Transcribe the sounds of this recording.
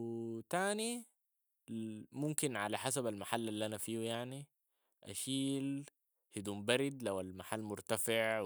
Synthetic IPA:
t̪aːni | mʊmkɪnʕalaħasabalmaħalːalːiʔanafiːwjaʕni | ʔa̰ʃiːl | hid̪uːmbaɾɪd̪lawalmaħalːmʊɾt̪afɪʕ

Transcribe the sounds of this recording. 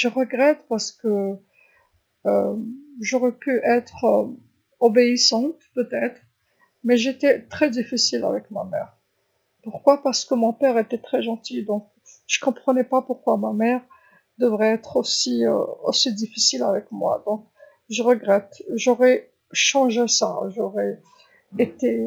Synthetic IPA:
ʒəʁəɡʁɛt̪paʁsə̥kə | ømʒɔʁɛpyʔɛt̪χø | obeisɑ̃t̪pøt̪ɛt̪χ | mɛʒet̪ɛt̪χɛd̪ifisila̰vɛkmamɛ̰ʁ | puʁkwapaʁsə̥kəmɔ̃pɛʁet̪ɛt̪χɛʒɑ̃t̪id̪ɔ̃k̚ | ʒ̥əkɔ̃pχənɛpapuʁkwamamɛʁ | d̪əvʁɛɛt̪χosiø̰o̰sid̪ifisilavɛkmwa̰d̪ɔ̃k̚ | ʒəʁəɡʁɛt̪ʒɔʁɛ | ʃɑ̃ʒesa̰ʒoʁɛ | et̪e

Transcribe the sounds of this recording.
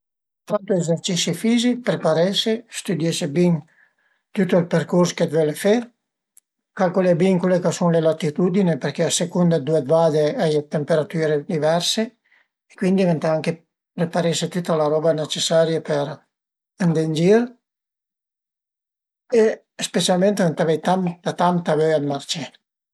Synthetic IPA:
t̪ɾant̪uezeɾt͡ʃisifizipɾepaɾɛʃest̪ud̪jɛʃebin | t̪ut̪oilpɛɾkuɾsked̪vɛlefɛ | kalkulebiŋkwelekasunlelat̪it̪ud̪inepɛɾkeasekund̪ad̪ued̪vad̪eajt̪empeɾat̪yːɾed̪ivɛɾseː | kwind̪ivent̪aaŋke | repaɾeʃet̪ut̪ːalaɾɔbanet͡ʃesaɾjapeɾ | and̪end͡ʒiɾ | e | spet͡ʃalment̪event̪avɛjt̪ant̪at̪ant̪avøad̪maɾt͡ʃe

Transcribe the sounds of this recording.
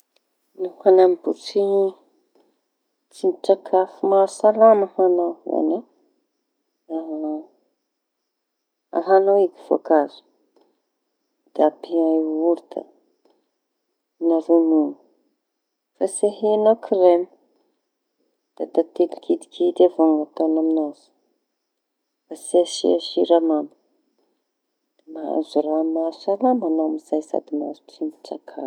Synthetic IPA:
nuhanambut͡si | t͡sinʈ͡ʂakʰafumaɾsalamahanaa̰na | aɦa | a̰ɦanowiki̥v̥o̰kazi̥ | d̪̥apiauɾd̪a̰ | naɾunuŋu | faseɦianokʰiremi̥ | d̪̥at̪at̪ilikʰid̪i̥kʰid̪avoŋat̪onaminazu̥ | faseʃḭaʃiɾamamu̥ | maa̰zuɾaaminaalamanomizajsa̰d̪ima̰zutimiʈ͡ʂakʰa̰

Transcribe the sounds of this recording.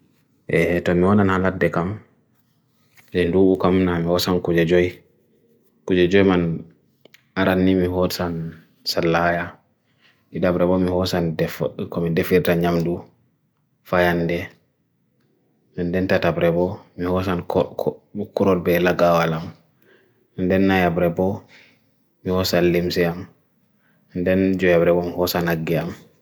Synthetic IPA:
ʔɛtɔmiwɔnanhaladɛkam | sɛnduɓukamnamihɔsankud͡ʒɛd͡ʒɔj | kud͡ʒɛd͡ʒɔjman | aɾanːimihɔsan | salːaja | miɗabɾɛbɔmihɔsandkɔmidefiɾtaɲamdu | fajandɛ | ɛndɛntatabɾɛbɔmihɔsan | kuɾɔlbɛlaɡawalam | ndɛnːajabɾɛbɔ | mihɔsanlimsɛam | ndɛnd͡ʒɔjabɾɛbɔmihɔsanaɡːɛam

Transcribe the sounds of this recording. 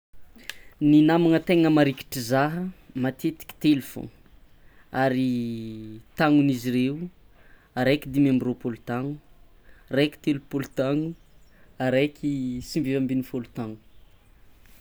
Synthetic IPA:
ninamaŋət̪eŋəmaɾiki̥ʈ͡ʂizaɦəmat̪ʰet̪i̥kʲi̥t̪elfõ̰ | aɾi | t̪aŋuniziɾewu | aɾekid̪imembropolut̪aŋu | reki̥t̪elupolut̪aŋu | aɾekʲʰisimbevambinifolut̪aŋu̥

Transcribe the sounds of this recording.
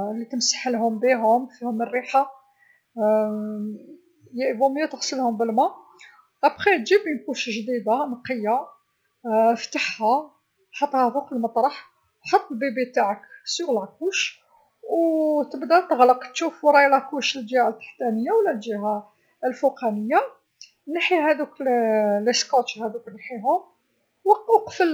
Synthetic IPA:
lːit̪əmsḁħəlɦʊmbiɦʊmfihʊmərːiħa | jæʔbʊmjæt̪əɣsˤəlhʊmbəlmæ | ʔæbxit̪ʒibənkuʃʒd̪id̪amqəjːa | ft̪aħhæ | ħɑt̪ˤːhæfuqəlmət̪ˤɾˤɑħ | ħɑt̪ˤːlbibit̪aʕəksuʔlʕkuʃ | wt̪əbd̪æt̪əɣləqt̪ʃufwɾˤɑjlækuʃlʒihalt̪ːḁħt̪ænəjːawlːæt̪ʒiɦa | əlfuqænəjːa | naħihæd̪ukləskɑt̪hæd̪uknħiɦʊ | wəqfəl

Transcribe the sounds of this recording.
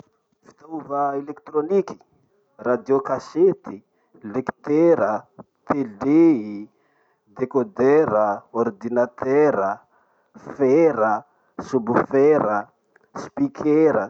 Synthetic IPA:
fi̥t̪auvəelek̚t̪roniki̥ | rad̪iokaset̪i | lekt̪eɾə | t̪ʰelei | d̪ekod̪ɛɾəɔrd̪inat̪ɛɾə | fɛɾə | subufɛɾə | spikʰeɾə

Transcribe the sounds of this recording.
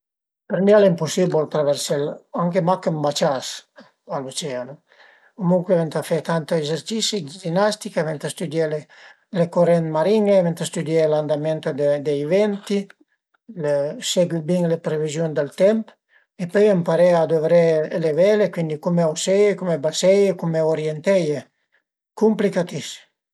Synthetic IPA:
peɾmialimpusibult̪ɾavɛɾsɛlaŋkemakembat͡ʃas | alut͡ʃɛano | komuŋkwevɛnt̪afɛt̪ant̪oezeɾt͡ʃisid͡ʒinast̪ikavɛnt̪ast̪ud̪jele | lekoɾɛnmaɾiŋevɛnt̪ast̪ud̪jɛland̪amɛnt̪od̪ed̪eivɛnt̪i | lesɛɡwibiŋlepɾevizjund̪əlt̪ɛmp | epøjampaɾead̪ovɾeelevɛlekwind̪ikumeawsɛjekumebasɛjekumeoɾjent̪ɛje | kumplikat̪is

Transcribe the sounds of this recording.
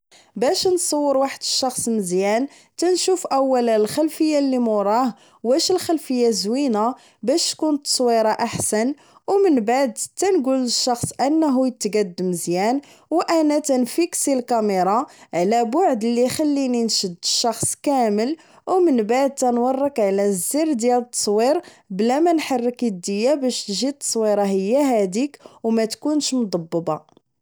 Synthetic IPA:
bæʃnsˤɑwːəɾwaħəd̪ə̥ʃːɑxsˤməzjæn | t̪ænʃufʔæwːællxælfəjːalːimʊɾˤɑh | wæʃəlxælfəjːazwinæ | bæʃt̪kʊnt̪ːsˤwiɾˤɑʔaħsæn | wmənbaʕd̪t̪ænɡuləʃːɑxsˤʔənːɦujət̪ːɡæd̪ːəməzjæn | wʔænæt̪ænfiksilkæmeɾˤɑʕlæbʊʕd̪əlːixalːininʃəd̪ːəʃːɑxsˤkæməl | wmənbaʕd̪̚t̪ænwɑrˤːəkʕlæzːiɾd̪jælət̪ˤːɑ̥sˤwiɾ | blæmænħarˤːəkid̪ːəjːæbæʃt̪ʒit̪ːɑ̥sˤwiɾˤɑɦəjːæɦæd̪ikwmæt̪kunʃmd̪ˤɑbːbɑ

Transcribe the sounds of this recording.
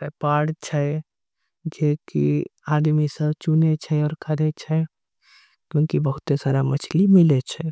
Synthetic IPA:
pepaɽt͡ʃʰə | d͡ʒekiad̪misəbt͡ʃunet͡ʃʰɛɔːɾkʰəɾɛt͡ʃʰɛ | kjõːŋkibəɦut̪esaɾamət͡ʃʰlimilɛt͡ʃʰɛ

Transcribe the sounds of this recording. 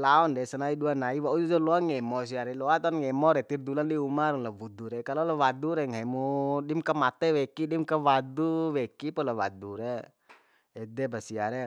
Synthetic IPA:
laɔndɛsanaiduanaiwaud͡ʒud͡ʒɔlɔaŋɛmɔs̬iaɾɛlɔat̪ɔnŋɛmɔɾɛt̪ird̪ulandiumaɾlabud̪uɾɛkalɔlawaduɾɛŋaɛmudimkamat̪ɛwɛkidimkawad̪uwɛkipɔlawa̰duɾɛ | ɛdɛbasiaɾɛ

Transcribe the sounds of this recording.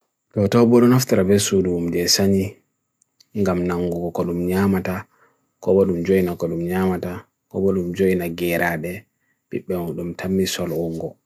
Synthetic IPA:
tɔtɔwbɔɗɔnaftaɾabɛsuduumd͡ʒɛsaɲi | ŋɡamnaŋːɡɔɡɔkɔɗumɲamata | kɔɓɔɗumd͡ʒoinakɔɗumɲamata | kɔɓɔɗumd͡ʒoinaɡɛɾʔaɗɛ | biɓːɛɔɗumtʰamːisɔlɔŋɡɔ

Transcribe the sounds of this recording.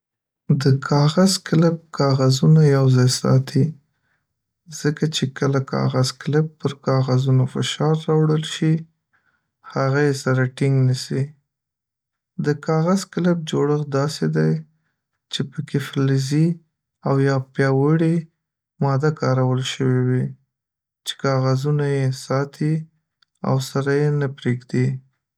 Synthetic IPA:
d̪əkʰɑɣazklɪp̚kʰɑɣazunajawzɑjsɑ̰t̪ʰi | z̥əkat͡ʃekəlakʰɑ̰ɣazklɪp̚pəɾkɑɣazunofɪʃɑɾːɑwɽəlʃi | haɣajesaɾaʈɪŋɡnəsi | d̪əkɑɣazklɪp̚d͡ʒoɽəxd̪ɑsed̪aj | t͡ʃepəkeflɪzi | awjɑpjɑwəɽi | mɑd̪akɑɾawəlʃəwewi | t͡ʃe̥kɑɣazunajesɑt̪ʰi | a̰wsaɾajenapɾeɡd̪i

